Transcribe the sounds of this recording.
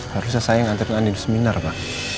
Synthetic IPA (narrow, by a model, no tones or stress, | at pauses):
haɾusasajaŋant̪aɾŋanidusəminarpa